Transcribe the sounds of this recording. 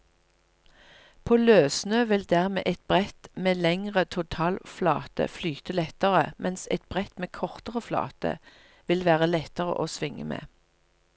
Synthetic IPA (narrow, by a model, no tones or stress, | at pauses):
pʰoːløːsnøːʋɪld̪æːʁmḛːʔɛt̪̚bʁɛt̪meːlɛŋʁət̪ʰʊt̪ʰɑːlflɑ̰ːt̪ə̰flyːt̪əlɛt̪əʁəmʔɛnsɛt̪̚b̥ʁɛt̪meːkʰɔʁt̪əʁəflɑ̰ːt̪ə̰ | ʋɪlʋæːʁəlɛt̪əʁə̰ʔoːsʋɪŋə̰mḛː